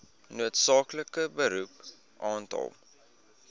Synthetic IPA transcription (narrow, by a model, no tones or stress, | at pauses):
nuətsɑːkləkəbəɾup | ʔɑːntɑ̰lˠ